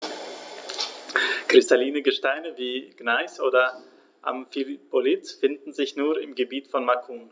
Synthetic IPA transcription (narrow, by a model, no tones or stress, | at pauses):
kʁ̥ɪstaliːnəɡəʃtaɪnəviːɡ̥naɪsʔoːdɐ | ʔa̰mfilpolɪtfɪndn̩zɪçnuːɐɪmɡəbiːtfɔnmakʰuːm